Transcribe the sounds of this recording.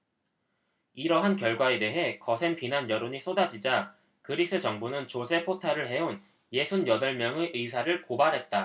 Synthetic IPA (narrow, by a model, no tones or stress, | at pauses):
iɾʌɦankjʌɭɡwae̞de̞ɦe̞kʌsʰe̞npinanjʌɾoɲis͈ʰodad͡ʑid͡ʑa | kɯɾis͈ʰɯt͡ɕʌŋbunɯnt͡ɕosʰe̞pʰotʰaɾɯɭhe̞on | je̞sʰunjʌdʌɭmjʌŋeʔɯjsʰaɾɯɭkobaɾɦe̞t̚t͈a